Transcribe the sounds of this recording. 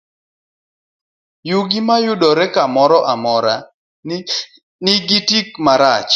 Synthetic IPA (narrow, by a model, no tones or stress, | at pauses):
juɡimajʊdɔɾɛkamɔɾɔʔamɔɾa | nɪɡitik̚maɾat͡ʃ